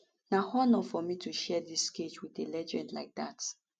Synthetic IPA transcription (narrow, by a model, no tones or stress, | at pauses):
nahɔnɔfɔmituʃɛdisːket͡ʃwiðelɛd͡ʒɛ̃ndlaɪk̚ðat